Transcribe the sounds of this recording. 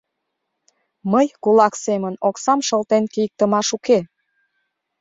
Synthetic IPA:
məjkulɑksemənoksɑmʃəlt̪enkijək̚t̪əmɑʃuke

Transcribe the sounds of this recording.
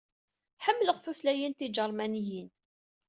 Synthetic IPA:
ħəmːləʁfuθlæjint̪id͡ʒəɾˤmænijin

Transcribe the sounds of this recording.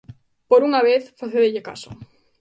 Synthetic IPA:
poɾuŋaβ̞eθfaθeðeʎeka̰so̰

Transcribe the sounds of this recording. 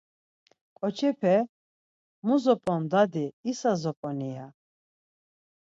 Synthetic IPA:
kʼɔt͡ʃʰɛpʰɛ | muzɔpʼɔnd̪ad̪iisazɔpʼɔnija̰

